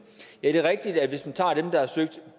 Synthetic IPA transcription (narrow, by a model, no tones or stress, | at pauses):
jæd̥e̝ʁɛɡ̥̚d̥id̥æʋe̝smænt͡sʰɑ̰̈ːd̥emd̥ɑ̈hæsøɡ̥̚d̥